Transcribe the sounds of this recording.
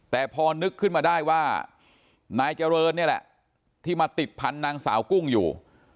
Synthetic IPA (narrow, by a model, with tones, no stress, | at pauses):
t̪ɛː˨˩pʰɔː˧nɯ˦˥kʰːɯ˥˩nmaː˧daː˥˩jwaː˥˩ | naː˧jt͡ɕa˧ɾɤː˧ni˥˩ɐlɛ̰˨˩ʔ | t̪ʰiː˥˩maː˧t̪i˨˩t̪̚pʰa˧nːaː˧ŋsaː˩˦wku˥˩ŋjṵː˨˩